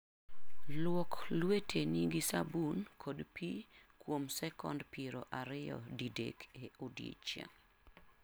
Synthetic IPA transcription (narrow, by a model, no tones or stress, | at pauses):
lwɔklwetʰeniɡisabunkʰodpi | kwomsɛkɔndpiɾoʔaɾɪjɔ̰didḛkʰeodjḛt͡ʃḛŋ